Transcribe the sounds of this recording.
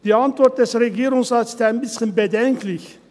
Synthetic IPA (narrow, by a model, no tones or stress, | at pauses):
d̥iːantvɔɾt̚d̥ɛsʁeɡiːɾʊŋsʁaːtsɪ̥staɪnbɪsçənbədɛŋkʰlɪç